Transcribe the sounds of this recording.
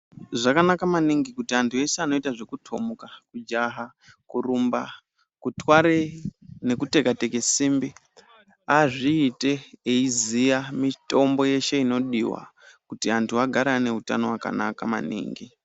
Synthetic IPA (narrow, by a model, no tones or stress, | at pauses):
ʐakanakamaniŋɡikutiantʰuje̞seano̞itaʐe̞kutʰo̞̰mukakud͡ʒaɦa | kurumba | kutwaɾene̞kute̞kate̞ke̞simbi | aʐiːte̞eizijamito̞mbo̞je̞ʃe̞ino̞ɗiwa̰ | kutiantʰuaɡʱaɾane̞uta̰no̞waka̰nakama̰nḭːŋɡi